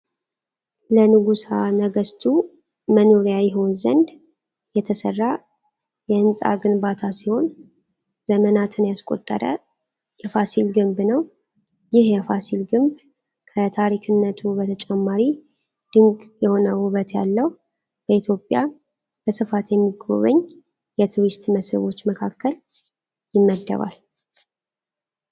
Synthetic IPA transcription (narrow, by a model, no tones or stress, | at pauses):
lənɨɡusanəɡəst̪ʰu | mənoɾjajɛɦo̞nzənd̪ | jɛt̪ʰəsərːa | jɛɨnsʼa̰ɡɨnbat̪ʰasiho̞n | z̥əmənat̪ʰɨnjaskʼo̞̰t̪ʼːə̰ɾə̰ | jɛfasilɡɨmbnəw | jɪhjɛfasilɡɨmb | kʰət̪ʰaɾikʰɨnːət̪ʰubət̪ʰət͡ʃʼɛmːaɾi | d̪̥ɨŋɡʼjɛho̞nəhuβət̪ja̰lːəw | b̥əit̪ʰjo̞pʼːja | b̥əsɨfat̪jɛmːiɡo̞̰βəɲː | jɛt̪ʰuɾist̪məsə̰βo̞t͡ʃːməkʰakːəl | jɪmːəd̪ːə̰βa̰l